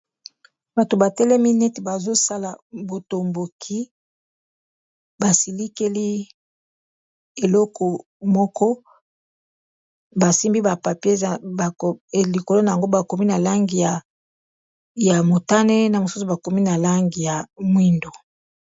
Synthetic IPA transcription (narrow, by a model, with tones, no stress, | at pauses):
ba˨to˨ba˨tɛ˦lɛ˦mi˦nɛ˦te˨ba˨zo˦sa˦la˨bo˨to˨mbo˨kʰi˦ | ba˨si˨li˦ke˦li˦ | e˨lɔ˦kʰɔ˨ | mɔ˦kɔ˦ | ba˨si˦mbi˦ba˨pa˨pe˦a˨li˨ko˨lo˦na˨ja˨ŋɡo˦ba˨ko˨mi˦na˨la˦ŋɡi˨ja˨ | ja˨mo˨ta˦ne˦na˨mo˨su˦su˨ba˨ko˨mi˦na˨la˦ŋɡi˨ja˨mwi˦ndo˨